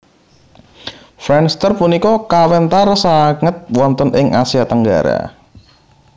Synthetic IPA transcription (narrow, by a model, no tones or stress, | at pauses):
fɾɛnst̪ərpunikɔkawɛnt̪aɾsaŋət̪̚wɔnt̪ənʔɪŋʔasiat̪əŋɡa̰ɾa̰